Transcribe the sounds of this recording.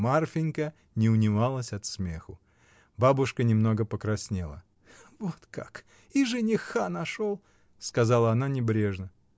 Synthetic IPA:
marfʲɪnʲkə | nʲɪʊnʲɪvalˠəsʲɐt̪smʲe̞xʊ | babʊʂkənʲɪmno̞ɡəpəkɾɐsʲnʲelˠə̰ | vot̪kak | iʐɨnʲɪxanɐʂolˠ | skɐzɑlˠəɐn̪anʲɪbɾʲe̞ʐnə

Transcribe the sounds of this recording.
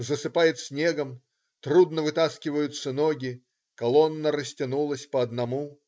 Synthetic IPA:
zəsɨpajɪt̪sʲnʲeɡəm | t̪ɾud̪nəvɨt̪askʲɪvəjʊt̪sənoɡʲɪ | kɐlˠonːəɾəsʲtʲɪnulˠəsʲpəɐd̪nɐmu

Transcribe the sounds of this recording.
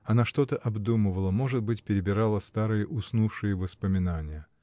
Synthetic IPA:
ɐnaʂt̪o̞t̪əʔɐbd̪uməvəlˠəmo̞ʐɨd̪̚bɨtʲpʲɪɾʲɪbʲɪɾalˠəst̪aɾɨjəʔʊsnufʂɨjəvəspəmʲɪnanʲɪjə

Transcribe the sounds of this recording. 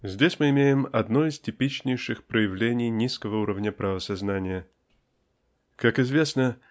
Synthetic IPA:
zʲdʲesʲmɨɪmʲejɪmɐd̪noɪstʲɪpʲit͡ɕnʲɪjʂɨxpɾəjɪvlʲenʲɪjnʲiskəvəuɾəvnʲəpɾʔavəsɐznanʲɪjə | kakɪzvʲe̞snə

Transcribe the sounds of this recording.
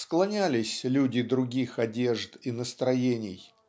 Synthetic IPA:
sklˠɐnʲælʲɪsʲlʲudʲɪd̪ɾʊɡʲixɐdʲe̞ʐt̪inəst̪ɾɐjenʲɪ̰j

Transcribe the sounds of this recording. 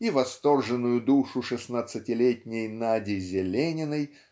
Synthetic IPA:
ivɐst̪o̞rʐɨnːʊjʊd̪uʂʊʂɨsnat̪sɨtʲɪlʲetʲnʲejnadʲɪzʲɪlʲenʲɪnəj

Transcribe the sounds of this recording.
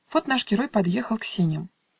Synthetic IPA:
vɔt̪naʂɡʲɪɾɔjpad̪jɛxəlˠksʲenʲjəm

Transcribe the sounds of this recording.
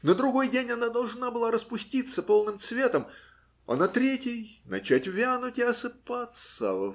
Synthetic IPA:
nəd̪ɾʊɡo̞jdʲenʲɐnad̪ɐlˠʐnabɨlˠaɾəspʊsʲtʲit̪səpo̞lˠnɨmt̪svʲe̞t̪əm | ɐ̰nɐt̪ɾʲetʲɪjnɐ̰t͡ɕætʲvʲanʊtʲɪɐsɨpat̪sə̰və

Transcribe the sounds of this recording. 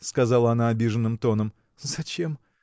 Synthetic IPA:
skɐzɑlˠəɐnaɐbʲiʐənːɨmt̪o̞nəm | zɐt͡ɕe̞m

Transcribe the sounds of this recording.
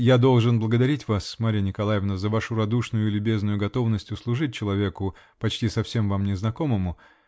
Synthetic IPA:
jad̪o̞lˠʐɨnblˠəɡəd̪ɐɾʲitʲvasmaɾʲɪjənʲɪkɐlˠajɪvnəzəvaʂʊɾɐd̪uʂnʊjʊɪlʲʊbʲe̞znʊjʊɡɐt̪o̞vnəsʲtʲjʊslˠʊʐɨt̚ʲt͡ɕːɪlˠɐvʲe̞kʊ | pɐt͡ɕtʲisɐfsʲe̞mvamnʲɪznɐko̞məmʊ

